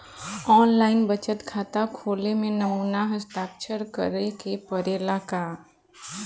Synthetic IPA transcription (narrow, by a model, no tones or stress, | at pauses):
ɔːnlaːɪnbət͡ʃət̪kʰaːt̪akʰoːlemẽnɐmuːnaɦəst̪aːkt͡ʃʰəɾkə̰ɾekepəɾeːlaka